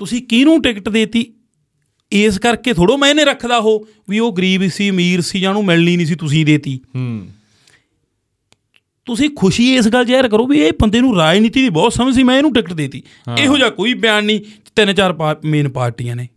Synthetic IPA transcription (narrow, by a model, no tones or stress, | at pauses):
t̪ʊsĩːkiːnũːʈɪkʈd̪eːt̪iː | ɪs̬kəɾkeːt̪ʰoːɽoːmɛ̃ːnẽːɾəkʰd̪aːɦoː | ʋiːoːɡəɾiːbisiːmiːɾsiːd͡ʒãːnũːmɛlniːniːs̬iːt̪ʊsĩːd̪eːt̪iː | t̪ʊsĩːkʰʊʃiːɪsɡəlːt͡ʃɛːɾk̬əɾoːʋiːeːpənd̪eːnũːɾaːd͡ʒniːt̪iːd̪iːbɔːt̪səməd͡ʒsiːmɛ̃ːeːnũːʈɪkʈd̪eːt̪ḭː | eːɦoːd͡ʒaːkoːiːbjaːnnĩː | t̪ɪnt͡ʃaːɾpːmeːnpaːɾʈiːãːneː